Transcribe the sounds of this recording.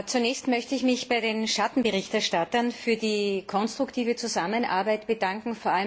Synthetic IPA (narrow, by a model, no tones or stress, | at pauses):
t͡sunɛːçstmœçtəɪçmɪçb̥aɪdeːnʃatn̩bəʁɪçtɛɐʃtatɐnfyːɐdiːkʰɔnstʁ̥ʊktʰiːvət͡suzamənʔa̰ɐbaɪtb̥ədaŋkŋ̩foːɐʔal